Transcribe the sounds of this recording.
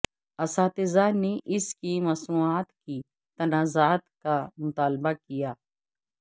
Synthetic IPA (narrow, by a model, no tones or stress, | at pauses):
ɐsaːt̪ɪzaneʔɪskimɐsmuːaːt̪ki | t̪ɐnaːzaːt̪kamʊt̪aːlbakijaː